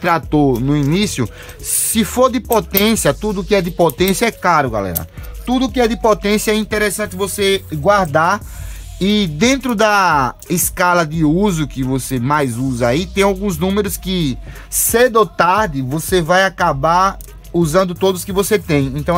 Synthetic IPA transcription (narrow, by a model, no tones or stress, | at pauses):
t̪ɾat̪onʊinisjʊ | sɪfoɾd̪ɪpot̪ẽsjɐt̪ud̪ʊːkɪɛd̪ɪpot̪ẽsjɐɛklaɾʊɡa̰lɛ̰ɾɐ̰t̪ud̪ʊːkɪɛd̪ɪpot̪ẽsjɐɛĩnt̪eɾesɐ̃nt̪ɪvoseɡwaɾd̪aɾ | ɪd̪ẽnt̪ɾʊd̪ɐ | ɪskalɐd̪ɪuzʊkɪvosemajzuzɐait̪ẽj̃awɡũznũmeɾʊskɪ | sed̪ot̪aɾd̪ɪvosevajakabaɾ | uzɐ̃nd̪ʊt̪od̪ʊskɪvoset̪ẽj̃ẽnt̪ɐ̃w̃